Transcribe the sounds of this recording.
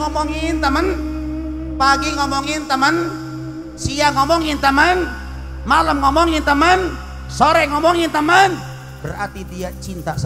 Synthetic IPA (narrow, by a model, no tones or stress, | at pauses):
ŋɔmɔŋint̪əmən | paɡiŋɔmɔŋint̪əmən | siaŋɔmɔŋint̪əmən | maləmŋɔmɔŋint̪əmən | soɾɛŋɔmɔŋint̪əmən | bəra̰rt̪id̪iat͡ʃint̪as